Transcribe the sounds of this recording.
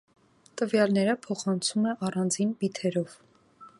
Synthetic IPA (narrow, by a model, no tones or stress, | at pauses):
t̪əvjɑlnɛɾəpʰɔχɑnt͡sʰumɛʔɑrɑnd͡zinbit̪ʰɛɾɔv